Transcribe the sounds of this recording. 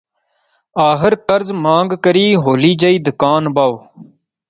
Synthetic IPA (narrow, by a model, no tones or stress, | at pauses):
aːxɪɾkɐɾzmãːŋɡkəɾiːɦoːliːd͡ʒəiːd̪ʊkaːnbaːw